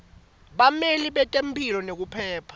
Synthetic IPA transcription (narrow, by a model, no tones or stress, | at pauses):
ɓameliɓɛtʼempʰʼilɔnek̬upʰɛːpʰḁ